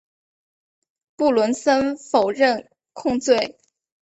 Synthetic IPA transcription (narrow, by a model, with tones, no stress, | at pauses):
pu˥˩lwə˧˥nsə˥nfo˨˩ʊɻə˥˩n | kʰʊ˥˧ŋt͡swe˥˩ɪ